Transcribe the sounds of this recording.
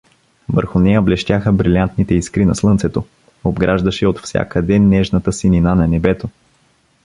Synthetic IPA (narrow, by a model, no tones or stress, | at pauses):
və̰ɾxʊnɛjəblɛʃt̪ʲaxəbɾilʲiant̪nit̪ɛiskɾinɐ̰slˠɤnt̪sɛt̪o | obɡɾʔaʒd̪ɐʃɛot̪fsʲja̰kəd̪ɛnːɛʒnɐt̪əsininanɐnɛbɛt̪o